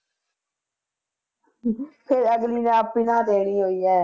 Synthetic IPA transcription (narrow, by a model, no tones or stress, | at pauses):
pʰɪɾəɡliːnãːpinãːt̪eːɳ̃iːɦoːiːɛː